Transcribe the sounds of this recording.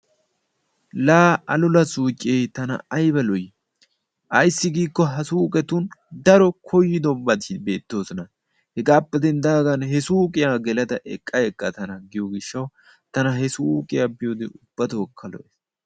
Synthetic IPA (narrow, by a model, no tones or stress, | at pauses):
laːɐlʊlɐsuːt͡ʃʼːeːt̪ɐnɐ̰ɐjbɐlɔjɪ | ʔɐjsːɪɡiːkːɔɦɐsuːkʼɛt̪und̪ɐɾɔkʰɔjːɪd̪ɔbːɐd̪ɪbe̞ːt̪ːoːsɔnɐ | hɛɡaːpːɛd̪ɛnd̪aːɡɐnhɛsuːkʼɪjaːɡɛlɐd̪ɐʔɛ̰kʼːɐɛkʼːɐt̪ɐnɐɡɪjoɡɪʃːɐw | t̪ɐnɐɦɛsuːkʼɪjabɪjoːd̪ɛʊb̥ːɐt̪ɐkʰːɐlɔ̰ʔes